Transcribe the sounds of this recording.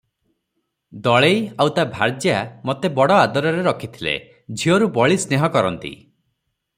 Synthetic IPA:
d̪ɔɭejawt̪abʱaɾd͡ʒjamot̪ebɔɽɔad̪ɔɾɔɾeɾɔkʰit̪ʰilḛ | d͡ʒʱioɾubɔɭisneɦɔkɔɾɔnt̪ḭ

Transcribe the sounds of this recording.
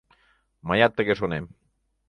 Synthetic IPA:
majat̪ːekesonem

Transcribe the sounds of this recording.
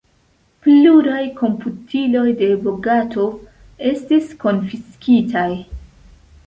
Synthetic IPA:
pluɾajkʰo̞mputʰilo̞jde̞boɡatʰo̞ | e̞stisko̞nfiskitʰaj

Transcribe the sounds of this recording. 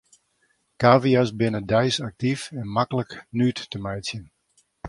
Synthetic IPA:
kaːviasbɪnədɛjsak̚tifɛnmakələknytːəmɛjtsjən

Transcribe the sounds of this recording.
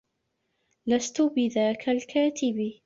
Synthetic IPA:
last̪ʊbɪðaːkʰalkʰaːt̪ɪb

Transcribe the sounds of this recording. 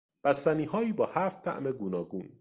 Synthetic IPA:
b̥æst̪æniːɦɒːiːbɒːhæːft̪ʰːæ̰ʔmeɡunɒːɡuːn

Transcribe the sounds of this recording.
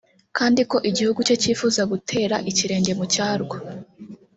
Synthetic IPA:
kaːndiko̞ʔiɟihuɡut͡ʃo̞ciːfuːzaɡutʰe̞ːɾaʔiciɾe̞ːɲɟe̞mucaːɾɡwa

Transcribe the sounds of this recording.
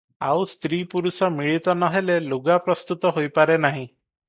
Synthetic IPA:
awst̪ɾipuɾusɔmiɭit̪ɔnɔɦeleluɡapɾɔst̪ut̪ɔɦojpaɾenaɦĩ

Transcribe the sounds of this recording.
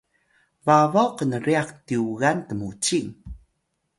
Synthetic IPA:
vavawqənəɾiaqtiuɣantəmut͡ɕiŋ

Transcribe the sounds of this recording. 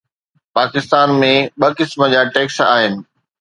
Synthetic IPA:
paːkɪst̪aːnmẽɓɐkɪsmə̆d͡ʑaːʈeːksa̰ːɦɪnɪ̆

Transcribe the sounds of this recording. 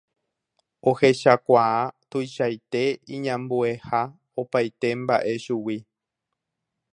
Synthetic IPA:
o̞he̞ʃakʷaat̪ujʃajt̪e̞ĩɲãmbue̞ha | opajt̪e̞mba̰ʔe̞ʃuwi

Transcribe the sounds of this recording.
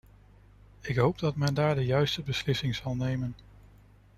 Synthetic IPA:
ɪkɦowb̚dɑtmɛndaːɹdəjœɥstəbəslɪsɪŋz̥ɑlˠnejmən

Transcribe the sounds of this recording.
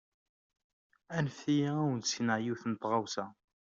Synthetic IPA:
ænfijææwənt̪sinəʕjuθnət̪ːʁɑwsæ

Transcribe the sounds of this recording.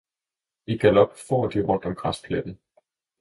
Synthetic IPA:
iɡ̥ælɒ̽b̥fɒ̰ːd̥iʁɔ̽n̰d̥ɒ̽mɡ̥ʁaspʰled̥n̩ˠ

